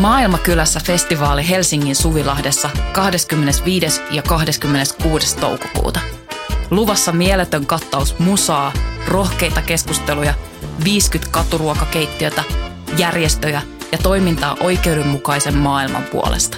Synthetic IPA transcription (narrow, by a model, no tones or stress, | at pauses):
mɑːilmɑkylæsːæfe̞st̪iʋɑːliɦe̞lsiŋːinsuʋilɑhde̞sːɑkɑhde̞skymːene̞sʋiːdesjɑkɑhdeskymːene̞skuːde̞st̪o̰wko̥kṵːt̪ɑluʋɑsːɑmielet̪ø̞ŋkɑt̪ːɑusmusɑːro̞hke̞jt̪ɑke̞skust̪e̞lujɑ | ʋiːskyt̪kɑt̪uruokɑkejt̪ːiø̞t̪æ | jærjest̪øjæ | jɑt̪o̞jmint̪ɑ̰ːʔo̞jke̞uwde̞mːukɑjse̞mːɑːilmɑ̰mpṵo̰lḛst̪ɑ̥